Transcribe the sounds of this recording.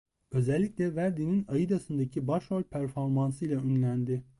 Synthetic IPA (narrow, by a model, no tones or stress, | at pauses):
ø̞zɛlʲːicʲlʲɛvæɾd̪ininajɯd̪asɯnd̪acʰibaʃolʲpʰæɾfo̞ɾmansɯjlˠaønlʲænd̪ɪ